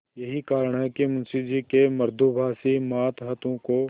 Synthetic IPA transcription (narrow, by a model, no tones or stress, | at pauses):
jɐɦikaːɾəɳ̃ɦɛkimɐ̃nsid͡ʒiːkemɐɾd̪ʱubʱaːsimaːt̪ɦɐt̪õko